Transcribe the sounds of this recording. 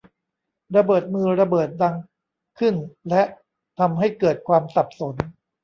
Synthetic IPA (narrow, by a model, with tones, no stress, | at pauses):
ɾa˧bɤː˨˩t̪̚mɯː˧ɾa˧bɤː˨˩t̪̚da˧ŋ | kʰɯ˥˩nlɛ˦˥ʔ | t̪ʰa˧mɦa˥˩jkɤː˨˩t̪̚kʰwaː˧msa˨˩p̚so˩˦n